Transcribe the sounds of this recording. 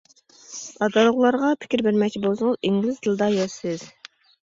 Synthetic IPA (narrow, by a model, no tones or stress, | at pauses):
ɑd̪ɑlʊʁlˠɑɾʁɑpʰɪ̥kʲiɾbɪɾmɛk̚ʲt͡ʃʰibolˠsʊŋʊziŋɡlɪzd̪ɨlˠd̪ɑjɛsɪz̥